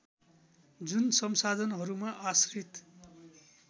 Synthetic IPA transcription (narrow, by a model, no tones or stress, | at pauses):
d͡zunsʌmsad̪ʱʌnɦʌɾumaʔasrit̪